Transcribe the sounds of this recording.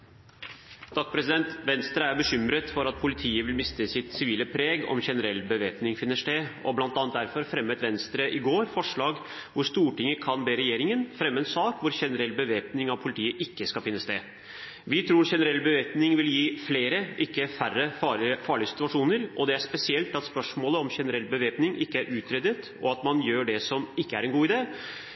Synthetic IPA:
d̪̥ʰɑkːpɾɛsɪd̪ɛnt̪ʋɛnst̪ɾəæɾbəɕʏmɾət̪fɔɾɑt̪̚pʰʊlɪt̪ʰiːəʋɪlmɪst̪əsɪt̪sɪʋiːləpʰɾeːɡɔ̰mçɛnəɾɛlːbəʋeːpnɪŋfɪnːəʂʈeːʔɔblɑnt̪ɑnt̪d̪æɾfɔɾfɾɛmːət̪ʋɛnst̪ɾəʔɪɡoːɾfɔʂɭɑːɡ | ʋʊɾʂt̪uːʈɪŋːəkʰɑnbeːɾɛjeːɾɪŋənfɾɛmːəɛnsɑːkʋʊɾçɛnəɾɛlːbəʋeːpnɪŋɑʋpʰʊlɪt̪ʰiːəʔɪkːəskɑlfɪnːəst̪ḛː | ʋɪt̪ʰɾuːɾçɛnəɾɛlːbəʋeːpnɪŋʋɪljiːfleːɾəʔɪkːəfærːəɑfɑːɭɪəsɪ̥t̪ʉɑʂuːnəɾɔd̪ɛæʂpɛsɪɛlt̪ɑt̪spœʂmoːləɔmçɛnəɾɛlːbəʋeːpnɪŋʔɪkːəæɾʔʉːt̪ʰɾɛd̪ət̪ | ɔɑt̪mɑnjøːɖɛsɔmɪkːəæɾɛnɡuːɪd̪eː

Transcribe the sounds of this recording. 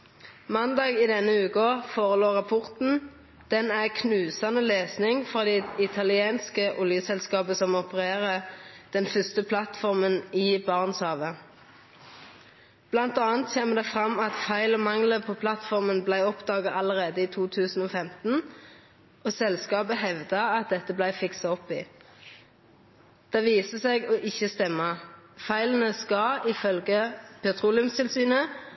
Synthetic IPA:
mɑnd̪ɑːɡiːd̪ɛnːəʉːkəfoːʁəloːʁɑpʰɔʁt̪n̩ | d̪̥ɛnæʁkʰnʉːsɑnəleːsnɪŋfʁɑːd̪ɛɪt̪ʰɑlɪeːnskəʔʊljəsɛlskɑːbəsɔmɔpəʁeːʁəd̪̥ɛnfœst̪əpʰlɑt̪fɔʁməniːbɑːʁnshɑːʋə | b̥lɑnt̪ɑːnt̪seːməd̪ɛfʁɑmɑt̪fæɪlɔmɑŋləpʰoːpʰlɑt̪fɔʁmənblæɪɔpd̪ɑːɡɑʔɑləʁeːd̪əiːt̪ʰuːt̪ʰʉːsn̩oːfɛmt̪n̩ | oːsɛlskɑːbəɦɛʋd̪ɑɑt̪̚d̪ɛt̪ːəblæɪfɪksɑɔpiː | d̪̥ɛʋiːsəseːɡoːʔɪçəst̪ɛmːɑfæɪlən̩əskɑɪfœlɡəpʰɛt̪ʰʁuːlɪʉmst̪ɪlsyːnə

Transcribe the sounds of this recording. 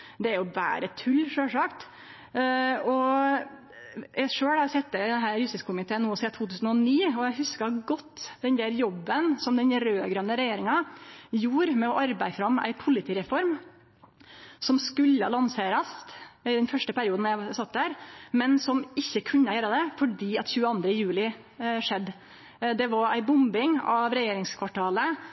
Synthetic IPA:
d̪ɛæɾjʊbæ̰ːɾət̪ʰʉlːʂøːlʂɑːkt̪ | ɔ | jæʂøːɽɑsɛt̪ːəd̪ɛnɦæɾɾʉsɪskʰʊmɪt̪ʰeːnuːɔsiːt̪ʰuːt̪ʉːsn̩ɔniːɔjæɦʉskɑɡɔt̪ːd̪ɛnd̪æɾjɔbːənsɔmd̪ɛɲɾøːɡɾœnːəɾɛjeːɾɪŋɑjuːɾmɛɔʔɑɾbæɪfɾɑmæ̰ɪpʰʊlɪt̪ʰiːɾɛfɔɾm | sɔmskʉlːəlɑnseːɾəst̪ɪd̪ɛnfœʂʈəpæɾɪuːd̪n̩jæɪsɑt̪ːd̪æːɾmɛnsɔmɪçːəkʰʉɲːəjøːɾəd̪ɛfɔɖiːɑt̪çʉːəɑnd̪ɾəjʉːlɪ | ʂɛd̪ː | d̪ɛʋɑɾæɪbʊmbɪŋɑ̰ʋɾɛjeːɾɪŋskʰʋɑʈʰɑːlə

